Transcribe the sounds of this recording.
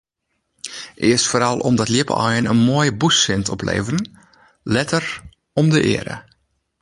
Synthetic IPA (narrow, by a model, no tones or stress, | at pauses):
ʔɪəstfoːɾɑlˠʔɔ̰mdɔtljɪpə̰ɔ̰jənənmoəjəbusɪntʰɔplḛːvərən | lɛtər | ɔmdəʔɪ̰əɾə̰